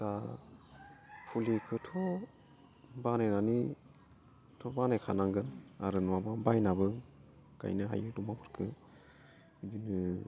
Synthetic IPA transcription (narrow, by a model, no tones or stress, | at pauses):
ta | pʰulikʰɯtʰɔ | banajnani | tʰɔbanajkʰanaŋɡɯna̰ɾɯnɔwababajnabɯ | ka̰jnɯɦa̰jɯdumapʰɯɾkʰɯ | dinɯ